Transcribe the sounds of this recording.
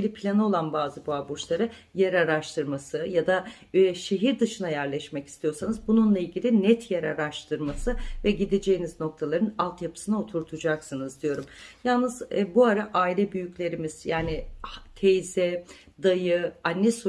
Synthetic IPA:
lʲipʰlʲanɯo̞lˠanbaːzɯbuabut͡ʃlˠaɾɯjeɾaɾaʃt̪ʰɯɾmasɯjad̪a | ʃe̞ɦiɾd̪ɯʃɯnajæɾlʲɛʃmɛci̥st̪ʰijo̞ɾsanɯzbununlˠailʲɟʲilʲinɛt̪ʰjɛɾaɾaʃt̪ʰɯɾmasɯvɛɟid̪ed͡ʒejinizno̞k̚t̪ʰalˠaɾɯnalˠt̪ʰjapʰɯ̥sɯnao̞t̪ʰuɾt̪ʰud͡ʒaksɯnɯzd̪ijo̞ɾumjalˠnɯzbuaɾaʔaːilʲɛbyjycʲlʲe̞ɾimiz̥jaːnit̪ʰejzɛ | d̪ajɯanːɛsu

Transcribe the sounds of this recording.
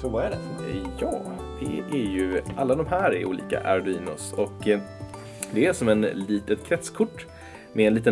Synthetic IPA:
sɔvaæɖɛjɑːd̪̥ɛ̰ʔæɾjɵʔalːad̪ɔmɦæːɾɛ̰ɾʔṵːlḭːka̰ʔaɾd̪ʉiːnʊ̰sɔk | d̪ɛæʂɔmɛnliːt̪ət̪kʰɾɛt̪skʰʊʈː | mʔɛːnliːt̪ə

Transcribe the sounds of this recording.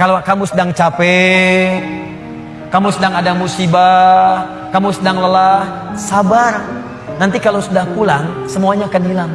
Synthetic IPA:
kalokamusədaŋt͡ʃapɛ | kamusədaŋadamusiba | kamusədaŋləlah | sabar | nant̪ikalosudahpulaŋ | səmuaɲaːkanhilam

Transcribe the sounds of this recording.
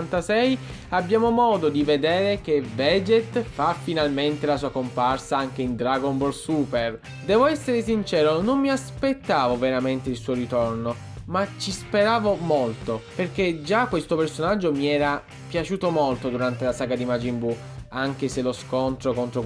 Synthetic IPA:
nt̪asɛj | abːjaːmomɔːd̪od̪ived̪eːɾek̟evɛd͡ʒet̪fafːinalment̪elasuːakomparsaaŋk̟eind̪ɾaɡombolsuper | d̪ɛːvoɛsːeɾesint͡ʃɛːɾonomːiaspet̪ːaːvoveɾament̪eilsuːoɾit̪orno | mat͡ʃːispeɾaːvomolt̪operked͡ʒakːwest̪opersonad͡ʒːomiɛːɾa | pjat͡ʃuːt̪omolt̪od̪uɾant̪elasaɡad̪imad͡ʒimbu | aŋk̟eseloskont̪ɾokont̪ɾo

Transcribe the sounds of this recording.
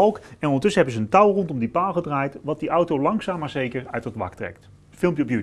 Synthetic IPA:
ɑlˠkɛnɔndəɹtʏsəɦɛbəzəəntɑwˠrɔntɔmdipaːlˠχədraːjtʋɑt̚diʔʌwtowlɑŋksaːmaɹzejkəɹœɥdɑtʋɑ̰ktrɛ̰k̚t | fɪlˠmpjəɔpjy

